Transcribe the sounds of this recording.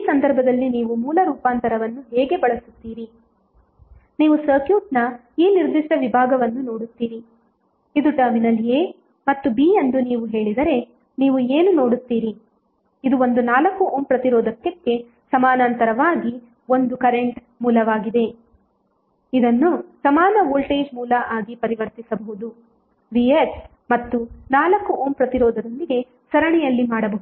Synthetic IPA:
iːsɐnd̪ɐɾbʱɐd̪ɐlːiniːʋumuːlɐɾuːpaːnt̪ɐɾɐʋɐnːuɦɛːɡe̞bɐɭɐsu̥t̪ːiːɾi | niːʋusɐːkjuːʈ̚nɐ | iːniɾd̪iʂʈɐʋibʱaːɡɐʋɐnːuno̞ːɽut̪ːiːɾi | id̪uʈɐɾminɐleː | mɐt̪ːubiːend̪uniːʋuɦe̞ːɭid̪ɐɾe̞ | niːʋueːnuno̞ːɽut̪ːiːɾi | id̪uo̞nd̪unaːlɐkːuʔoːmpɾɐt̪iɾɔːd̪ɐkjɐkːe̞ | sɐmaːnɐnt̪ɐɾɐʋaːɡi | ond̪ukɐɾeɳʈ | muːlɐʋaːɡid̪e̞ | id̪ɐnːusɐmaːnɐʋoːlʈeːd͡ʒmuːlɐʔaːɡipɐɾiʋɐɾt̪isɐbɐɦud̪u | ʋies | mɐt̪ːunaːlɐkːuʔoːmpɾɐt̪iɾɔːd̪ɐd̪ond̪iɡe̞ | sɐɾɐɳɛjɐlːimaːɽɐbɐɦud̪u

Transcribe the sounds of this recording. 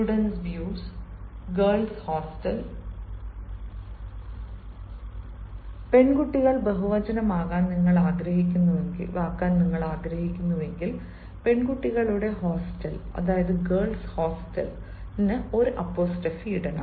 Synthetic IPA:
uɽɐnsʋjuːsɡerɭshoːsʈɐl | pe̞ɳɡuʈːiɣɐɭbeɦuʋɐd͡ʑɐnɐmaːɣaːnniŋːɐɭaːɡɾɐɦikʲːunːɐʋeʋaːkːaːnniŋːɐɭaːɡɾɐhɦikʲːunːɐʋe̞ŋɡil | pe̞ɳɡuʈːiɣɐɭuɽe̞ɦoːsʈɐlɐ̰ðaːjɐðɨɡɐːrɭshoːsʈɐ̰l | pinːeo̞ɾɨʔɐpːo̞ːsʈɐfiiɽɐna̰

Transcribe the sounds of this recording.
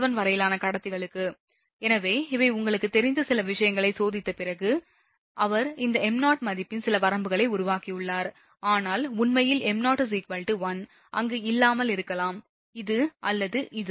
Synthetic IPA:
ʋɐnʋɐɾɐjɪlaːnɐkɐɽɐt̪ːɯɣɐɭɯkːɯ | ɛnɐʋeːɪʋɐɪʊŋɡɐɭɯkːɯt̪ːɛɾɪnd̪ɐsɪlɐʋɪʂɐjɐŋɡɐɭɐɪsoːðɪt̪ːɐpɪrɐɣɯ | ʔɐʋɐɾɪnd̪ɐɛmnaːʈmɐðɪpːɪnsɪlɐpɐɾɐmbɯɣɐɭɐɪʊɾʊʋaːkijʊɭːaːɾ | aːnaːlʊnmɐjɪlɛmnaːʈɯs̬iːkʋɐlʈɯʋɐn | ʔɐ̰ŋɡeːɪlːaːmɐlɪɾɯkːɐlaːm | ɪðɯʔɐlːɐðɯʔɪðɯ

